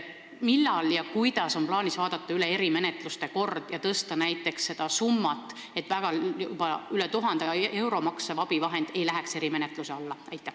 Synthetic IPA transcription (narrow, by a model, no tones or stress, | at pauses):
milːɑljɑkujd̪̥ɑso̞nmplɑːnisvɑːd̪̥ɑt̪ːˑɑyleeɾime̞net̪ˑlust̪e̞ko̞rd̪̥jɑt̪ɤst̪ɑnæjt̪ːˑe̞ksːe̞d̪̥ɑsumːɑt̪ːˑ | e̞t̪ːˑvæɡ̥ɑjubɑylɛt̪uɦɑnd̪̥ee̞wɾo̞mɑksevɑb̥ivɑɦe̞nd̪̥e̞jlæɦekse̞ɾime̞net̪ˑluseɑlːɑɑjt̪ːˑæh